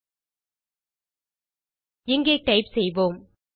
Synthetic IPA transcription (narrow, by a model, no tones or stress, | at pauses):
ɪŋɡeːʈɐɪpsɛjʋoːm